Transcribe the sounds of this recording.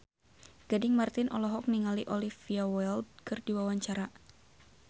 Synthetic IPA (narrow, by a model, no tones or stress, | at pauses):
ɡ̥adɪŋmart̪ɪnʔɔ̰lɔɦɔk̚niŋaliʔɔlifiawɛldkɨrdiwawaɲt͡ʃaɾa